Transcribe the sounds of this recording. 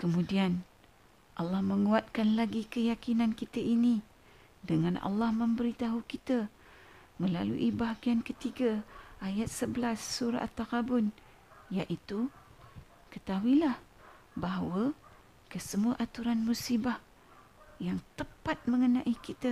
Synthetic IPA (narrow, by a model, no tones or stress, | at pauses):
kəmũdian | ʔɑlːɑhməŋuat̪̚kanlaɡikəjakinankit̪əʔini | dəŋanʔɑ̰lːɑhmə̃mbəɾit̪aɦukit̪ə | məlalṵʔibaɦɡiankət̪iɡəʔajat̪̚səbəlasːuɾa̰ʔt̪ːakabʊn | jaʔit̪u | kət̪aɦuilah | baɦawə | kəsəmuaʔat̪uɾanmusibah | jaŋt̪əpat̪̚məŋənãʔikit̪ə